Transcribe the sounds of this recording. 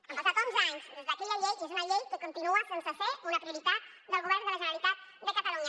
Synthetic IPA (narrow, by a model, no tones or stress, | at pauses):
afat̪unzaɲzd̪ezðakeʎaʎejezunaʎejkəkunt̪inuasensəfeunapɾiuɾit̪at̪̚ | d̪əlˠɣuβɛɾnd̪əlaʒənəlit̪at̪̚d̪əkat̪aluɲa